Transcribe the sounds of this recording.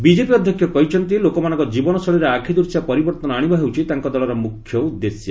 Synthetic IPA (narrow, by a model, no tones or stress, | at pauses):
bid͡ʒepiɔd̪ʱjɔkʰjɔkɔɦit͡ʃʰɔnt̪ilokɔmanɔŋkɔd͡ʒibɔnɔsɔɭiɾeakʰid̪uɾsjapɔɾibɔɾt̪ɔnɔaɽ̃ibɔɦewt͡ʃʰit̪aŋkɔd̪ɔlɔɾɔmukʰjɔud̪ːesjɔ